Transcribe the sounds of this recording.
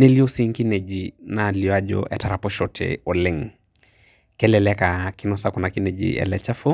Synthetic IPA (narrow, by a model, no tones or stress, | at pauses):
neliɔsiŋkinɛd͡ʒinaliaʄɔ̰ʔɛ̰taɾapɔʃɔtʰɛ̰ɔlɪŋ | kɛlɛlɛkakinɔsakɔnakinɛd͡ʒḭɛ̰lɛt͡ʃafɔ